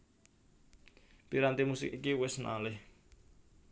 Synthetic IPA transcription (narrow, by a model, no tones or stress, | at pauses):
piɾant̪imusɪkikiwɪsna̰lɪh